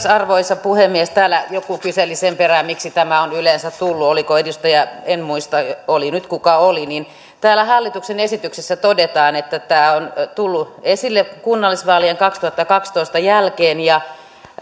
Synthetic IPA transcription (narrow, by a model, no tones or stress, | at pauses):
sɑrʋoisːɑpuhemːiest̪æːlæjokukyselisemperæmmiksit̪æmæonyleˑnsæt̪t̪ulːuolikoedust̪ɑjæenmuist̪ɑolinyt̪kukɑolinin | t̪æːlæhɑlːit̪uksenesit̪yksesːæt̪odet̪ɑːnet̪ːæt̪æːont̪ulːuesilːekunːɑlːˑisʋɑːlieŋkɑkst̪uhɑt̪ːɑkɑkst̪oist̪ɑjælkeːnjɑ